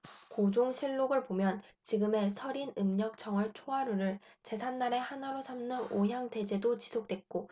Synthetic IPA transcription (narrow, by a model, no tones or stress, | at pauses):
kod͡ʑoŋɕʰiɭːoɡɯɭpomjʌnt͡ɕiɡɯme̞sʰʌɾinɯmɲʌk̚t͡ɕ͈ʌŋɯɭt͡ɕʰoaɾuɾɯɭt͡ɕe̞sʰanːaɾe̞hanaɾosʰamnɯnoɦjaŋte̞d͡ʑe̞dot͡ɕi̥sʰok̚t͈we̞k̚k͈o